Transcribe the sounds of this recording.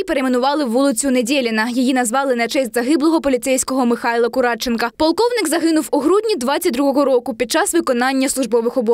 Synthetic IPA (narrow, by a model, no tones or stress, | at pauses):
ipeɾemenʊʋɑlˠɪwːulˠɪt͡sʲʊnedʲilʲɪnɐjɔjinɐzʋɑlˠɪnɛt͡ʃɛsʲtʲzɐɦɪblˠɔɦɔpɔlʲit̪sɛjsʲkɔɦɔmɪxɑjlˠɐkʊɾɑt͡ʃːenkɐpɔlˠkɔwnɪkzɐɦɪnʊwuɦɾudʲnʲid̪ʋɑtʲt͡sʲɐt̚ʲd̪ɾuɦɔɦɔɾɔkʊpʲid̪̚t͡ʃɑsʋɪkɔnɑnʲːɐslˠʊʒbɔʋɪxɔbɔ